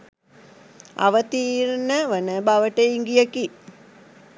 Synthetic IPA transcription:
a̰ʋət̪iːɾnəʋənəbaʋəʈeiŋɡijəki

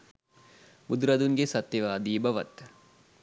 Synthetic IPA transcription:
bud̪uɾɐd̪uŋɡesɐt̪ːjeʋaːd̪iːbɐʋɐ̰t̪

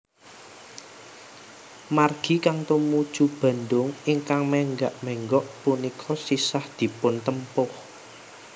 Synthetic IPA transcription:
marɡ̥i̤kaŋt̪umud̥ʒ̥ub̥a̤nd̪ʊŋɪŋkaŋmɛŋɡaʔmɛŋɡɔʔpunikʰɔsisahd̪̥i̤pʊnt̪əmpʊh

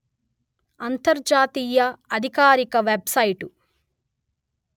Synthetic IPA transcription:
ɐnt̪ɐɾd͡ʒaːt̪iːjɐɐd̪ʱikaːɾikɐʋebsɐjʈu

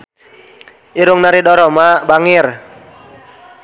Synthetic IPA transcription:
iɾʊŋnaɾidɔɾɔmabaŋɪr

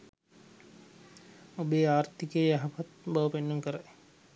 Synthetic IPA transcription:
obeːaːrt̪ikejːjaɦapat̪baʋpenːuŋkəɾaj

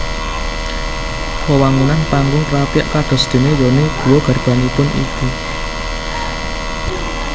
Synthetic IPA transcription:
pəwaŋunanpaŋɡʊŋpɾapiaʔkaɖ̥ɔ̤sd̪̥e̤ned̪ɔ̤neɡ̥ṳwoɡ̥a̤rb̥a̤nipʊnʔḭku

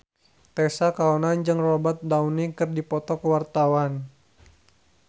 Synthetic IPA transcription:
t̪ɛsakaɔnand͡ʒɨŋrɔbat̪̚daunikɨrdipɔt̪ɔkəwart̪awan

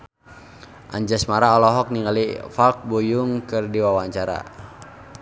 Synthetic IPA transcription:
ʔa̰ɲd͡ʒasmaɾaɔlɔɦɔk̚niŋalifalk̚bujuŋkɨrdiwawaɲt͡ʃaɾa̰

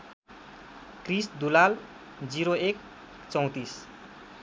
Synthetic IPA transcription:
krisd̪ulal | d͡ziɾoek | t͡sʌw̃t̪is

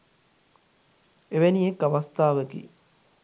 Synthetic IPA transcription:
eʋeniekːaʋast̪aːʋəɡḭː

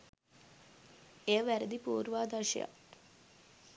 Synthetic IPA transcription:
eəʋæɾəd̪ipuːɾuʋaːd̪aʃə̰ja̰

